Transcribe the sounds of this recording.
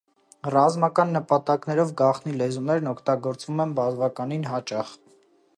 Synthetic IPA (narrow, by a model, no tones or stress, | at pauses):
rɑzmɑkɑnːəpɑt̪ɑknɛɾɔvɡɑχnilɛzunɛɾnɔkʰt̪ɑɡɔɾt͡svumɛnbɑzvɑkɑninɦɑt͡ʃɑχ